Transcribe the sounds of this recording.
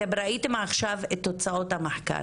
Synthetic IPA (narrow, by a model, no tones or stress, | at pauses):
ebeɾait̪emaχʃavet̪ːot͡sao̞t̪hamaħka̰